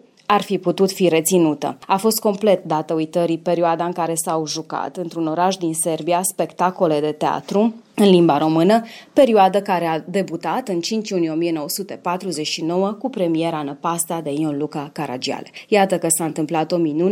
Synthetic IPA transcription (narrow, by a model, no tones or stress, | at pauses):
arfiput̪ut̪fiɾe̞t̪sinut̪ə̰afo̞st̪̚ko̞mple̞t̪̚d̪at̪əujt̪əɾipe̞ɾioad̪aɨŋkaɾe̞sawʒuka̰t̪ɨnt̪ɾuno̞ɾaʃd̪inse̞rbiaspe̞kt̪ako̞le̞d̪e̞t̪ea̰t̪ɾu | ɨnlimbaɾo̞mɨnəpe̞ɾioad̪əkaɾe̞ad̪e̞but̪at̪ɨnt͡ʃint͡ʃjunijeo̞mije̞no̞wəsut̪e̞pat̪ɾuze̞t͡ʃʃino̞wəkupɾe̞mie̞ɾanəpast̪ad̪e̞ionlukakaɾa̰d͡ʒia̰lḛjat̪əkəsaɨnt̪ɨmplat̪o̞minun